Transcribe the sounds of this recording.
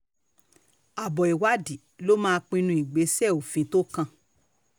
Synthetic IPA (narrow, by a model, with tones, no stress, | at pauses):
a˨bɔ˨i˨wa˦di˨lo˦mãː˦˧k͡pĩ˧nũ˧i˨ɡ͡be˨˦sɛ˦˨o˨fĩ˨˦to˦kã˧